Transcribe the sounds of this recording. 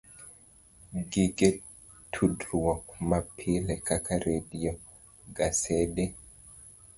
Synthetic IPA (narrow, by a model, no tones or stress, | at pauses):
ɡiɡɛ | tʰudɾuwɔmapʰilɛkakʰaɾedijɔ | ɡasɛdɛ